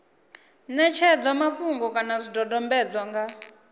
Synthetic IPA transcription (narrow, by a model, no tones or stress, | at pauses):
nɛt͡ʃʰɛd͡zwamaɸuŋɡɔkʼanazidɔdɔmbɛd͡zwaŋɡa